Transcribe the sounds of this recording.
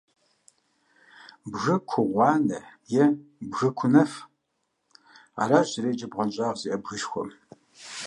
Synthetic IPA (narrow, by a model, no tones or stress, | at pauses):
bɣɐkʷʰʊʁʷɑːnɐjɛbɣɨkʷʰʊnɐf | a̰ːraːʒzɪɾeːd͡ʒɐbʁʷɔnɕʼɑːʁziʔɐbɣɨʃxʷɔ̰m